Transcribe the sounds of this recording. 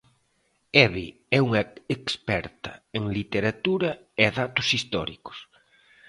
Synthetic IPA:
ɛβi | ɛuŋɐekspɛ̰ɾt̪ɐeŋlit̪eɾat̪uɾɐ | ɛðat̪ʊsist̪ɔ̰ɾḭkʊ̥s

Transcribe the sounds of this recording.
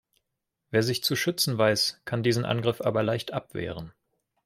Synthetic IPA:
veːɐzɪçt͡suʃʏt͡sn̩vaɪskʰandiːzn̩ʔa̰nɡʁɪfʔa̰ːbɐlaɪçtʔapv̥ɛ̰ːʁən

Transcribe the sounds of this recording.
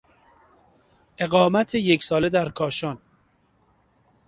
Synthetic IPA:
ʔe̞ɣɒːmæt̪ʰejecʰsɒːled̪æɾkʰɒːʃɒːn

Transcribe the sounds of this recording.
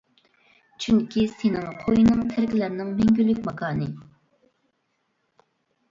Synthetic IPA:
t͡ʃʰyŋkʲʰisenɪŋqʰojinɨŋt̪ʰæɾkʲɪlæɾnɪŋmɛŋɡʲylːykʲmɑkʰɑːnɨ

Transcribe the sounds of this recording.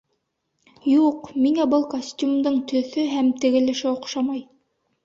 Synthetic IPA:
juqmiŋæbɤlˠkosʲtʲjumd̪ɤɴt̪ɵ̆θɵɦæmt̪ɘ̆ɡɘ̆lɘ̆ʃɘŏqʃɑmɑj

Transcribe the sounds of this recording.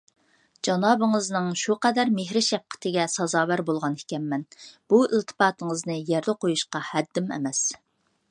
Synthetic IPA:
d͡ʒɑnɑːbɨŋɨznɨŋʃuqɛd̪æɾmeɦɾɪʃɛp̚qʰə̥t̪ʰɪɡʲɛsɑzɑːwæɾbolˠʁɑnhɪ̥kʲɛmːɛnb̥uɪlt̪ʰɨ̥pɑːt̪ʰəŋəznɨjɛɾd̪ɛqʰojuʃqɑhɛd̪ːɪmɛ̰mɛs

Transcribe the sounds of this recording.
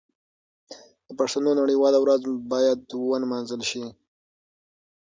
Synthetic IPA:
d̪̥əpaʂt̪anonaɽiwɑlawɾazbɑjad̪wənmɑnzəlʃi

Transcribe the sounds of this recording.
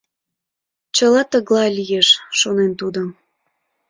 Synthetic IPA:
t͡ɕəlɑt̪əɣlɑlʲijeʃʃonent̪ud̪əm

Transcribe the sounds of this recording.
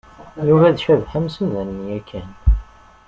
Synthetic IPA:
juvæðʃæðħəmsæðænːijækʰːæn

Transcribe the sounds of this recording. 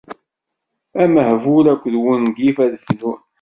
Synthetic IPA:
æməhvuɾækʷːðwənɡifæðθnu

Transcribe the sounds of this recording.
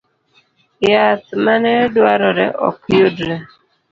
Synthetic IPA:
jat̪manɛdwaɾɔɾɛ̰ʔɔ̰kjodɾɛ

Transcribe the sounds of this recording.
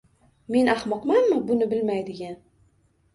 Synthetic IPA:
me̞nahmɒqmanmɪbʊnɪbɪlmajd̪ɪɡʲan

